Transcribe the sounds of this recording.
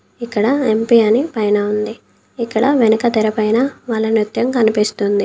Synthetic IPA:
ikːɐɽɐempiɐnipɐjnɐund̪i | ikːɐɽɐʋenɐkɐt̪ɛɾɐpɐjnɐʋaːɭːɐnɾut̪jɐŋkɐnipist̪und̪i

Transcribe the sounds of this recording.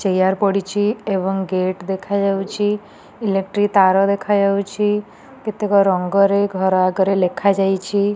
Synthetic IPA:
t͡ʃejaɾpɔɽit͡ʃʰiebɔŋɡeʈd̪ekʰad͡ʒawt͡ʃʰi | ilek̚ʈɾit̪aɾɔd̪ekʰad͡ʒawt͡ʃʰi | ket̪ekɔɾɔŋɡɔɾeɡʱɔɾɔaɡɔɾelekʰad͡ʒajt͡ʃʰi

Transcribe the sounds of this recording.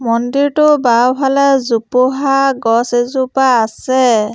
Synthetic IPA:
mɔndiɹtʊbawbʰʱalɛzupʊɦaɡɔsezupaːsɛ

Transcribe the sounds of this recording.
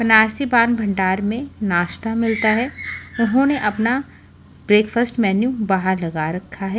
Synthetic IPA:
pɐnaːɾsibãːnbʱɐ̃ɳɖaːɾmẽnaːʃt̪amɪlt̪aɦɛʊnɦõneʔɐpna | bɾeːkfəsʈmɛːnjũbaɦəɾlɐɡaɾɐkʰːaɦɛː

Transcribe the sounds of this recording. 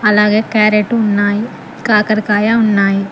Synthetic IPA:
ɐlaːɡekɛːɾeʈuʊnːaːi | kaːkəɾkaːjaʊnːaːi

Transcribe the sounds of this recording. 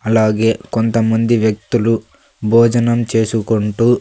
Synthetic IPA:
ɐlaːɡe̞ːkont̪ɐmɐnd̪iʋjɐk̚t̪ulu | bʱɔːd͡ʒɐnɐmt͡ʃe̞ːsukoɳʈuː

